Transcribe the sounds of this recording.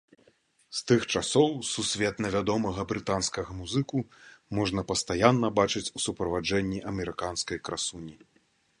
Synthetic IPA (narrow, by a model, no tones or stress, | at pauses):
st̪ɨxt͡ʂasɔwsusʲvʲɛt̪nʲɛvʲad̪ɔmɐɣɐbɾɨt̪anskɐɣɐmuzɨkumɔʐnɐpɐst̪ajanːɐbat͡ʂɨt͡sʲusupɾɐvad͡ʐɛnʲːiʔɐmʲɛɾɨkanskɐjkɾasunʲi